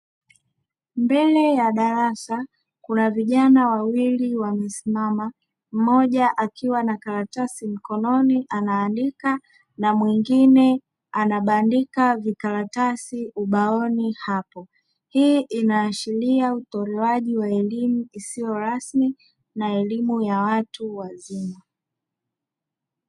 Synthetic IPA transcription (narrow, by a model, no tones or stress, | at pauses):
mbɛlɛjaɗaɾasa | kunaviʄanawawiliwamɛsimama | m̩mɔʄaʔakiwanakaɾatasim̩kɔnɔniʔanaːndika | namwiŋɡinɛ | anaɓandikavikaɾatasiʔuɓaɔnihapɔ | hiːʔinaːʃiliautɔɾɛwaʄiwaɛlimuisijɔɾasmi | naɛlimujawatuwazima